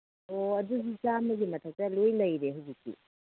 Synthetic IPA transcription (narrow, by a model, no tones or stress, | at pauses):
oɐduɡit͡ʃamɐɡimɐtʰak̚tɐlojlɐjɾeɦɐwzikːḭ